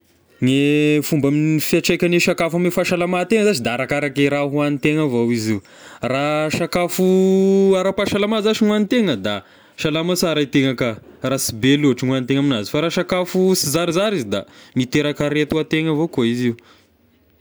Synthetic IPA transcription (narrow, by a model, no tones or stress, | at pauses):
ŋefumbaminifiaʈ͡ʂekʲaneʃakafamefaʃalamat̪eŋəzazid̪aaɾakaɾakeɾaɦuanit̪eŋəvowiziw | raʃakafuaɾapaʃalamazaʃiŋuanit̪eŋəd̪a | ʃalamasaɾait̪eŋakərasibeluɦʈ͡ʂiŋuanit̪eŋaminazi̥faɾaʃakafusizaɾizaɾizid̪a̰mit̪eɾakəɾet̪uat̪eŋəvokoiziu